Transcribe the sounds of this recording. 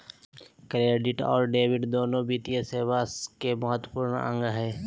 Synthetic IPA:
kɾeːɖɪʈɔ̰ːɾɖeːʋɪɖd̪oːnõbiːt̪ijeseːʋaːskemɐɦət̪wəpuːɾɳə̰̃ŋɡɦɛː

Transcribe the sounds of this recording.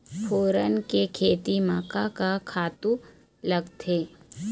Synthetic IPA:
pʰoːɾənkekʰeːt̪imaːkakakʰaːt̪ũ | lɐɡt̪ʰeː

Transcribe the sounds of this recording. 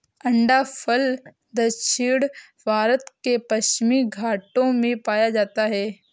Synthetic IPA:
ɐ̃ɳɖapʰəl | d̪ɐʃʰɪɽ | bʱaːɾət̪kepɐʃt͡ʃmiɡʱaːʈõmẽpaːjad͡ʒaːt̪aɦɛː

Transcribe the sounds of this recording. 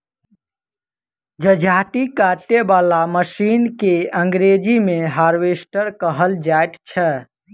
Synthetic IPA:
d͡ʒəd͡ʒʱaʈikaʈebalaməsinkeəŋɡɾed͡ʒimeɦaɾʋesʈəɾkəɦəld͡ʒajt̪t͡ʃʰɛ

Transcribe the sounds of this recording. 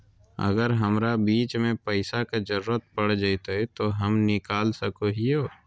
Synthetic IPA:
ɐ̰ɡəɾɦɐmɾabiːt͡ʃmẽpɐɪsakad͡ʒɐɾuɾət̪̚pɐɽd͡ʒaɪt̪aɛt̪oɦɐmnɪkaːlsɐkoɦioː

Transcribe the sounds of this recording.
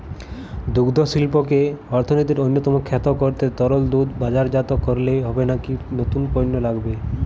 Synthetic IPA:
d̪uɡd̪ʱoʃilpokeɔɾt̪ʰonit̪iɾojnːot̪ɔmokʰɛt̪okoɾt̪et̪ɔɾold̪ud̪bad͡ʑaɾd͡ʑat̪okːoɾleɦɔbenakinot̪unpɔjnːolaɡbe

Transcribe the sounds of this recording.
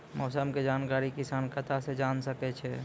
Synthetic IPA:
mɔːsəmked͡ʒaːnkaːɾikɪsaːnkɐt̪ʰased͡ʒaːnsɐket͡ʃʰe

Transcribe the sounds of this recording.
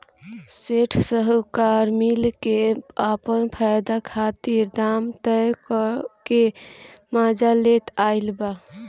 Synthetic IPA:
seʈʰsəɦukaɾmilkeapənpʰajd̪akʰat̪iɾd̪aːmt̪əkɔkemad͡ʒalet̪aɪlba

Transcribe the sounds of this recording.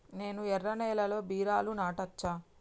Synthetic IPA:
ne̞ːnuɛrːɐnɛːlɐlo̞ːbiːɾaːlunaːʈɐt͡ʃːaː

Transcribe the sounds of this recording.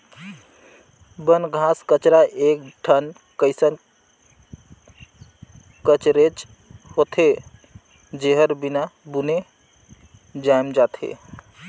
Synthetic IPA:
bənɡʱaskət͡ʃɾaʔek̚ʈʰən | kəɪsən | kət͡ʃɾet͡ʃ | hot̪ʰe | d͡ʒeɦəɾbinabune | d͡ʒajmd͡ʒat̪ʰḛ

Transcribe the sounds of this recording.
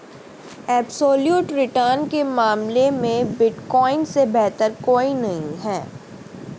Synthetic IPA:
ɛːbsoːljuːʈɾɪʈəɾnkemaːmlemẽbɪʈkɔːɪnsebɛɦt̪əɾkoːinɐɦĩɦɛː

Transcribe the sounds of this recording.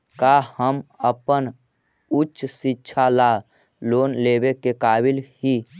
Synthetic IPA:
kahəməpən | utːʃsitːʃʰala | loːnlebekekaːbɪlhi

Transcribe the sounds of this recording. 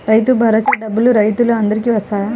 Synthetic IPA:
ɾɐjt̪̬ubʱɐɾɐt͡ʃiɖɐbuluɾɐjt̪uluɐnd̪ɐɾikiʋɐsajɐ

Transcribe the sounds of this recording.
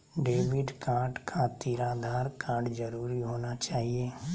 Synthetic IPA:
ɖeːʋɪɖkãːɖkʰat̪iːɾaːd̪ʱaːɾkãːɖd͡ʒəɾuːɾiɦoːnat͡ʃaːɦieː

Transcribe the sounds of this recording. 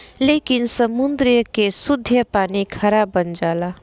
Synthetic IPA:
leːkɪnsəmʊnd̪ɾijəkesʊd̪ʱjəpaːnikʰəɾabənd͡ʒaːla

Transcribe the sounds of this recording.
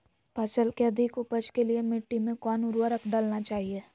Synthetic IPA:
paːt͡ʃəlkeɐd̪ʱɪkʊpəd͡ʒkeliemɪʈːimẽkɔːnʊɾwəɾəkɖalnat͡ʃaːɦieː

